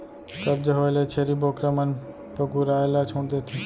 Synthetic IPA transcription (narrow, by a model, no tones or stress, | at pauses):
k̪ɐb̚d͡ʒəɦoːlet͡ʃʰeɾiːboːkɾəmən | pɐɡuɾaːelat͡ʃʰõːnd̪et̪ʰi